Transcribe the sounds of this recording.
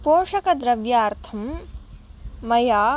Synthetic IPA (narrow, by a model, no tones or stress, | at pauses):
poːʂɐkɐd̪ɾɐʋjaːɾt̪ʰɐm | ɐjaː